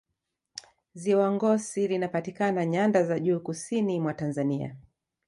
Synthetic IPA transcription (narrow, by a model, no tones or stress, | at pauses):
ziwaŋɡɔsilinapatikanaɲandazaʄuːkusinimwatanzania̰